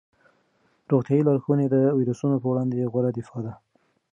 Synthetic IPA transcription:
ɾoɣt̪jɑilɑɾxuned̪əwiɾusunopəwɽɑnd̪eɣwaɾad̪ɪfɑd̪a

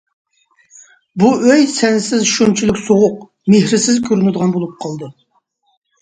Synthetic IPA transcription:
buøjsɛnsɪzʃunt͡ʃʰylykʲsoʁʊq̚ | mehɾɪsɪzkʲʰøɾynɪd̪əʁɑnbolˠup̚qʰɑlˠd̪ɨ

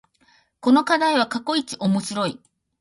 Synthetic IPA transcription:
ko̞no̞kad̪aiβ̞akako̞it͡ɕiʔo̞mo̞ɕiɾo̞i

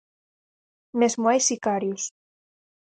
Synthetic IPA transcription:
mezmwajsikaɾjus

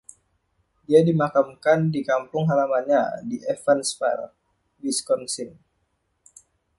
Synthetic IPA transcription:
diadimakamkandikampʊŋɦalamanɲadiʔɛfɛnspa̰r | biskɔnsin

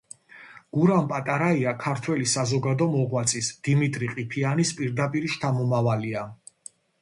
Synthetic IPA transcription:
ɡ̥uɾampʼat̪ʼaɾaiakʰaɾt̪ʰwɛlisazɔɡad̪ɔmɔʁwat̪sʼisd̪̥imit̪ʼɾiqʼipʰianispʼiɾd̪apʼiɾiʃt̪ʰamɔmavalia

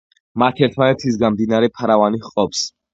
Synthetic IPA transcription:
mat̪ʰɛɾt̪ʰmanɛt̪ʰis̬ɡamd̪inaɾɛpʰaɾavaniχqʼɔps

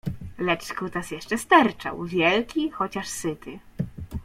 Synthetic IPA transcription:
lɛt͡ʂkut̪asjɛʂt͡ʂɛst̪aɾt͡ʂa̰wvʲjɛlkʲixɔt͡ɕaʂsɘt̪ɘ

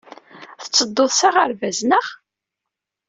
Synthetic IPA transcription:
θə̥t͡sːəd̪ːoðˤsaʁəɾvæznəʁ

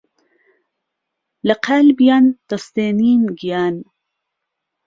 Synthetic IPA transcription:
lɐqʰaːlbijaːnd̪̥ɐst̪eːniːnɡijaːn

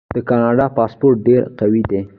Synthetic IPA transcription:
d̪̥əkɑnɑɖɑpɑspoɾʈ̚ɖeɾqawid̪e

